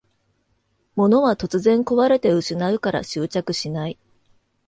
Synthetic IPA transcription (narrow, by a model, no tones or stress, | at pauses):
mo̞no̞βat̪o̞t͡sɨzẽ̞ŋko̞βaɾe̞t̪e̞ɯ̟ɕinaɯ̟kaɾa̰ɕɨːt͡ɕakɯ̟ɕinai